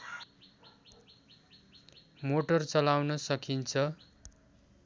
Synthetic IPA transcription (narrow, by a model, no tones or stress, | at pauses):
moʈʌrt͡sʌlawnʌsʌkʰint͡sʰʌ